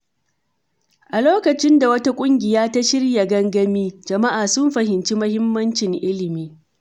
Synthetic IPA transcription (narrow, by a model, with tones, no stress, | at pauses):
ʔa˨loː˦kɐ˨t͡ʃɪ˦nda˨wɐ˦ta˦kʷʼʊ˦ŋɡʲɪ˨jaː˦ta˦ʃɪ˦rja˨ɡɐ˦ŋɡɐ˦miː˦d͡ʒɐ˨ma˦ʔaː˨sʊ˦mɸɐ˨ɦɪ˨nt͡ʃi˦mɐ˦hɪ˦mːɐ˦nt͡ʃɪ˨ŋʔɪ˦lɪ˨miː˦